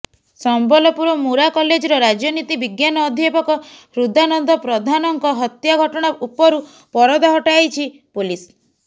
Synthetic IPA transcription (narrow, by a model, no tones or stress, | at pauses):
sɔmbɔlɔpuɾɔmuɾakɔled͡ʒɔɾɔɾad͡ʒɔnit̪ibiɡjanɔːd̪ʱjepɔkɔ | ɾud̪anɔnd̪ɔpɾɔd̪ʱanɔŋkɔɦɔt̪jaɡʱɔʈɔɽ̃aupɔɾu | pɔɾɔd̪aɦɔʈajt͡ʃʰipulis